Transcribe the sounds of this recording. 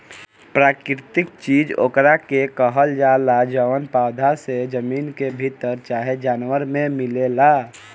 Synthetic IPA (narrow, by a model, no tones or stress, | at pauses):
pɾaːkɾɪt̪ɪkt͡ʃiːd͡ʒo̰ːkɾakekəɦəld͡ʒalad͡ʒəʋənpawd̪ʱased͡ʒəmiːnkebʱit̪əɾt͡ʃaːɦed͡ʒaːnwəɾmẽmɪlela